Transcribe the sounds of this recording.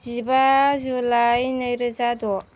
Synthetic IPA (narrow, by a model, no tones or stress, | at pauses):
zibazulajnəjɾɯzadɔ